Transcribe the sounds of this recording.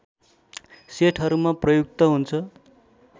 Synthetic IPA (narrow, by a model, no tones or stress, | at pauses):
seʈʰɦʌɾumaprʌjuk̚t̪ʌɦunt͡sʰʌ